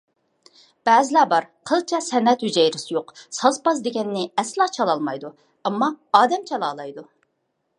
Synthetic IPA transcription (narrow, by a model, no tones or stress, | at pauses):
b̥æːzɪlˠɑbɑɾqʰəlˠt͡ʃʰɛsɛnːɛt̪hyd͡ʒɛjɾɪsjoqsɑzpɑzd̪eɡʲɛnːɪɛslˠɑt͡ʃʰɑlˠɑlˠmɑjd̪u | ɛmːɑɑːd̪ɛmt͡ʃʰɛlˠɑːlˠɑjd̪u